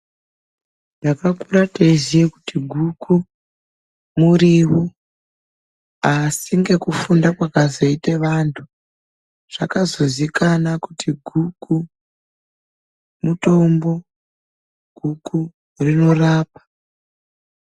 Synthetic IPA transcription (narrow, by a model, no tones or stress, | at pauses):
nakakuɾateiziekutiɡʱukʰu | muɾiwu | asiŋɡe̞kufundakwakazo̞ite̞ʋantʰu | ʐ̥akazo̞zikanakutiɡʱuku | muto̞mbo̞ | ɡ̥ʱuku | rino̞raːpḁ